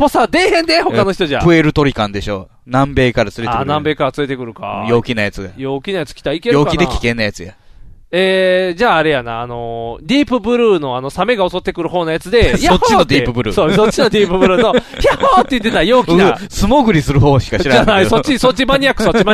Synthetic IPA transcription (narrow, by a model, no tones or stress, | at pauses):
po̞sad̪e̞ːhẽ̞nd̪e̞ho̞kano̞çi̥t̪o̞ʑa̰pɯ̟eɾɯ̟t̪o̞ɾʲikãnd̪e̞ɕo̞̰ː | nãmbe̞ːkaɾat͡sɨɾeaennãmbe̞ːkaɾat͡sɨɾe̞t̪e̞kɯ̟ɾɯ̟ka̰jo̞ːkʲinajat͡sɨɡajo̞ːkʲinajat͡sɨ̥kʲi̥t̪aikejɯo̞ːkaid̪ekʲi̥kẽ̞nːajat͡sɨja̰ | ed͡ʑaːɾe̞janaːno̞d̪ʲiːpɯ̟bɯ̟ɾɯ̟ːno̞ano̞same̞ɡao̞so̞t̪ːe̞kɯ̟ɾɯ̟ɦo̞ːnajat͡sɨd̪e̞aoot͡ɕːinod̪ʲiːpɯ̟bɯ̟ɾɯ̰ːsoːsott͡ɕːino̞d̪ʲiːpɯ̟bɯ̟ɾɯ̟ːno̞çiahot̪ːe̞jɯ̟t̪ːet̪ajoːkinsɨmoɡɯ̟ɾʲisɨɾɯ̟ɦoːɕi̥kaɕiɾaanaisot͡ɕːiso̞t͡ɕːimaɲ̟iakːɯ̥so̞t͡ɕːima